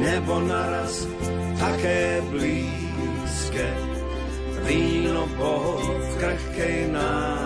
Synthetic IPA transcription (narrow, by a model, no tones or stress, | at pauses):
nɛbonaɾas | t̪akɛːbliː | skɛ | viːloboɦɔ | kɾɛxkɛjna